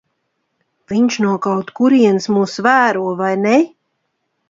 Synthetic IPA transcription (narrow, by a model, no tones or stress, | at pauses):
v̥iɲʃnuɔkawt̪kuɾiɛnsmuːsvæːɾuɔvajnɛ